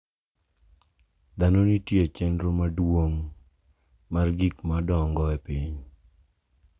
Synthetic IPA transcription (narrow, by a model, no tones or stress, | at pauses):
d̪anonitjeat͡ʃenɾomadwoŋ | marɡikmadɔŋɡɔɛpiɲ